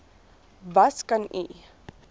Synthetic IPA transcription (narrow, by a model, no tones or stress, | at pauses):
vɐskɐnḭ